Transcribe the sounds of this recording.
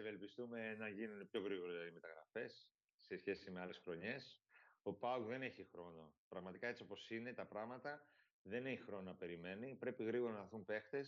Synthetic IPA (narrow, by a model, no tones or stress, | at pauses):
eve̞lpist̪ume̞nɐʝinunepço̞ɣɾiɣo̞ɾzlɐðime̞t̪ɐɣɾɐ̰fe̞sː | e̞sçe̞sime̞ɐlesxɾo̞ɲe̞so̞pɐokðe̞ne̞çixɾo̞no̞pɾɐɣmɐt̪ikɐe̞t͡sio̞po̞sine̞t̪ɐpɾɐɣmɐt̪ɐ | ðe̞ne̞çixɾo̞nɐpe̞ɾime̞nipɾe̞piɣɾiɣo̞ɾɐnɐθumpe̞xt̪e̞s